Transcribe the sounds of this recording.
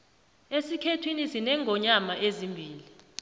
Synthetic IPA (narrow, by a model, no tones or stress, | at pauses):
esikʰetʰwinisinɛŋʱɔɲamaʔezimbʱiːli